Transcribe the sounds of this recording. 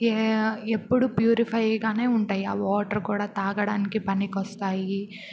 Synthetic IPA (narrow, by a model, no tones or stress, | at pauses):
eepːuɽupjuːɾipʰɐjɡaːne̞ːuɳʈaːjaːʋoːʈɐɾkuːɽaːt̪aːɡɐɽaːnikipɐnikɔst̪aːji